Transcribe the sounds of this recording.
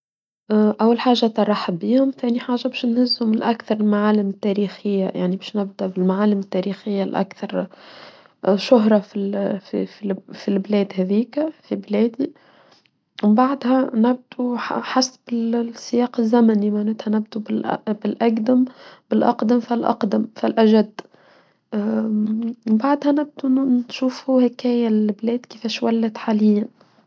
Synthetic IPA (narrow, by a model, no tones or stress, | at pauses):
ʔæwːalħaːʒːat̪ɑrˤɑħbiːhʊmθæːniħaːʒːabɛːʃnhɪzːhʊmɪlʔækθɑɾˤɪlmaʕaːlɪmɪt̪ːæːɾiːxɪjːa̰ja̰ʕnibɛːʃnɪb̚d̪æbɪlmaʕaːlɪmɪt̪ːæɾixɪjːalʔæ̰kθɑɾˤ | ʃʊɦɾˤɑfifififilblɛːd̪hæðiːkfiblɛːd̪i | mbaʕd̪hænɪb̚d̪uħasːbɪlsːɪjɑːqɪzːæmænimaʕnæːt̪hænɪbd̪ubɪlbɪlʔæɡd̪ɪmb̥ɪlʔɑqd̪amfɪlʔɑ̰qd̪amfɪlʔæʒæd̪ː | mbaʕd̪hænɪb̚d̪unʃuːfhuhækɛːjælblɛːd̪kɪfɛːʃwælːɪt̪ħaːlɪjːan